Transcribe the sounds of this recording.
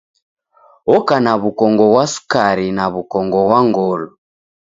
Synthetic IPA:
ɔkanaβukɔŋɡɔɣwasu̥kaɾinaβukɔŋɡɔɣwaŋɡɔlɔ

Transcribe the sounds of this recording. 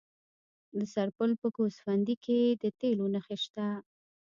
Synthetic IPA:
d̪əsaɾpəlpəkosfand̪ikʰed̪ət̪elonəxeʃt̪a

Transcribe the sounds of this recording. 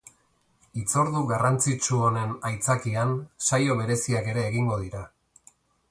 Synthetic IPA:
it͡so̞ɾðuɣarant͡sit͡ʃuo̞ne̞najt͡sakiansajo̞β̞e̞ɾe̞siake̞ɾe̞ːɣiŋɡo̞ð̞iɾa

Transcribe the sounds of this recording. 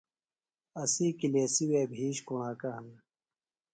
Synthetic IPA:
ɐsikiliesiweːbʱiːɕkuɳ̃aːkɐɦɐn

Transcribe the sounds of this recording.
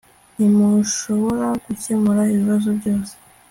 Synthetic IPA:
nimuʃo̞βo̞ɾakucemuɾaiβiβazo̞bɟo̞ːse̥

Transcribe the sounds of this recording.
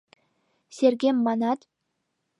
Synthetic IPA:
sʲeɾɡʲemːɑnɑt̪

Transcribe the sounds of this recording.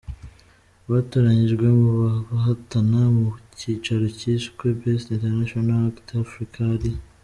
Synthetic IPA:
βatoɾaɲiʒɡwe̞muβaɦatanamuciːt͡ʃaɾo̞ciskwebesinteɾnaʃonaktafɾikʰaɾi

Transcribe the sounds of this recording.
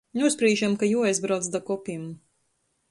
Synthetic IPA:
nuspɾiːʒamkajuɔajzbɾawd̪zd̪akɔpʲim

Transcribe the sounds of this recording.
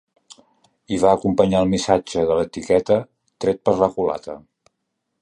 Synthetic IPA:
iβaəkumpəɲaəlˠmisad͡ʒəðələt̪ikɛt̪ə | t̪ɾɛt̪̚pəɾləkula̰t̪ə̰

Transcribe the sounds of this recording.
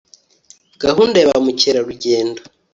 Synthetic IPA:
ɡ̥aɦuːndaβamuceɾaɾuɟe̞ːndo

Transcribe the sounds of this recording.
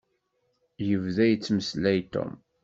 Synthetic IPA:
jəvðæjət͡sːməslæjt̪ːʊ̰m

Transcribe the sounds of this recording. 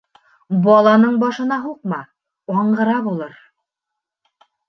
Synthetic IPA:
bɒlˠɑnɤɴbɒʃɤ̆nɑɦuq̚mɑ | ɑɴɢɤ̆ɾɑβɑlˠɤɾ

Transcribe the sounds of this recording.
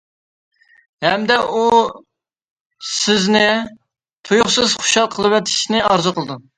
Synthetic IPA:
hɛmd̪ɛu | sɪznɪ | t̪ʰujuχsɨz̥χʊ̥ʃɑlˠqʰəlˠɨpɛt̪ʰɪ̥ʃnɪɑɾzʊqʰəlˠɨd̪u

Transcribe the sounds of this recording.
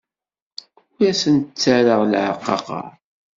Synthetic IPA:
æsənt̪ət͡sːaɾəʁlʕəqːɑ̰qɑ̰

